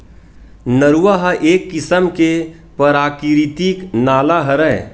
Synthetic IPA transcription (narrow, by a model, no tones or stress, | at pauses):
nəɾuwaɦaʔeːkːɪsəmke | pəɾaːkɾit̪iknaːlaɦɐɾɛ